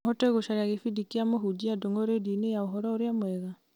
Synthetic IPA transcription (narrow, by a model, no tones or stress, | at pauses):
hɔteɣoʃaɾeaɣefidikiamoɦud͡ʒiadoŋɡoɾedinejaoɦɔɾɔoɾeamwɛɣa